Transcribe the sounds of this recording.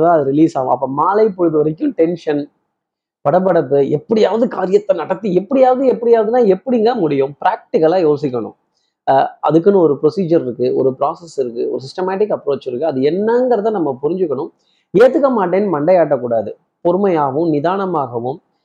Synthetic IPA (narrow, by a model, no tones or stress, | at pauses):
ðãːɐðɯɾɪliːsaːʋɯ̰̃ɐpːɐːmaːlɐɪpɔɻɯðɯʋɐɾɐk̬ʲːʊ̃ʈɛnʂɐn | pɐɽɐp̬ːɐɽɐpːɯɛpːɐɽɪjaːʋɐðɯkaːɾɪjɐt̪ːɐnɐɽɐt̪ːiɛpːɐɽɪjaːʋɐðɯɛpːɐɽɪjaːʋɐðɯnːãːɛpːɐɽɪŋɡamʊɽɪjʊ̃mpɪɾaːk̚ʈɪkːɐlaːjoːsɪkːɐɳʊ̰̃ | ʔɐ̰ðɯkːɯnɯ̃ɔɾɯpɾɔsiːd͡ʒɐɾɪɾɯkːɯɔ̰ɾɯpɾaːsɐsɪɾɯkːɯɔ̰ɾɯsɪsʈɐmaːʈɪkːɐpːɾoːt͡ʃːɪɾɯkːɯɐðɯɛnːɐŋɡɐɾɐtðãːnɐmːɐpʊɾɪɲd͡ʒɯkːɐɳʊ̃ | eːt̪ːɯkːɐmaːʈ̬ːeːnːɯmɐɳɖɐjaːʈ̬ːɐkːuːɽaːðɯ | pɔɾɯmɐjaːʋɯ̃mnɪðaːɳɐmaːɣɐʋɯ̃m